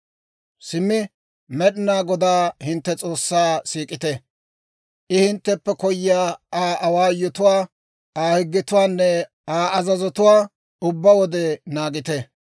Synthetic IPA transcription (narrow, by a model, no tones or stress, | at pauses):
sɪmːɪ | mɛɗɪnaːɡɔd̪aːhɪnt̪ːɛt͡sʼo̞ːsːaːsiːkʼɪt̪ɛ | ʔɪhɪnt̪ːɛpːɛkɔjːɪaːaːʔɐwaːjɔt̪ʊwaː | aːhɪɡːɪt̪ʊwaːnːɛ | aːʔɐzɐzɔt̪ʊwaː | ʊbːɐwɔd̪ɛnaːɡɪt̪ɛ